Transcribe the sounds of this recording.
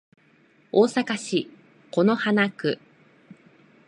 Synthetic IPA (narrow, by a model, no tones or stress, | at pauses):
oːsakaɕi | ko̞no̞hanakɯ̟